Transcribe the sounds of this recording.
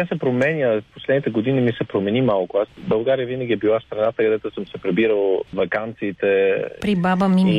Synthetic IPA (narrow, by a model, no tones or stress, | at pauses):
asɛpɾomɛnʲposlɛd̪nit̪ɛɡod̪inimisɛpɾomɛnimalˠkʊasbɐlˠɡaɾijəvinəɡʲiɛbilˠast̪ɾɐnat̪əkɐd̪ɛt̪ʊsɤmsɛpɾɛbiɾəlˠvɐkant̪siːt̪ɛpɾibabɐmi